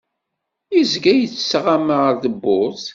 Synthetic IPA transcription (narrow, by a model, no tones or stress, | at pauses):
izɡæjət͡sːsʁaməɾðəbːʊθ